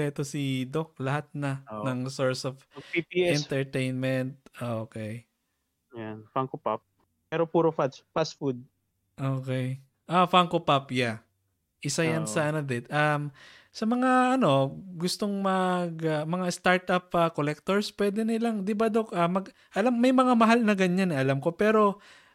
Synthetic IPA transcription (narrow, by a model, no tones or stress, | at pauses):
ɛt̪osid̪ok̚lɐhat̪̚nɐnɐŋsoɹsofipiɛɛnt̪ɛɹt̪ejnmɛnt̪̚ʔokɛj | janfaŋkopap̚ | pɛɾopuːɾofasfasfud̪̚ | ʔokɛj | ʔafaŋkopapja | ʔɪsajɐnsɐʔɐnɐd̪ɛt̪ʔɐm | sɐmɐŋaɐno̞ɡʊst̪o̞ŋmɐɡɐmɐŋast̪aɹt̪ʔɐp̚ɐkolɛk̚t̪oɹspwɛːd̪ɛnɪlaŋd̪ɪbad̪okʔɐmɐɡ | ʔɐlamːɐjmɐŋamɐɦalnɐɡɐɲanʔɐlamko̞pɛːɾo̞